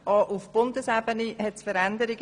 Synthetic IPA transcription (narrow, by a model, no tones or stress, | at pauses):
ɑːʔufb̥ʊndəsæbənihɛtsfəɾænd̪əɾɪɡ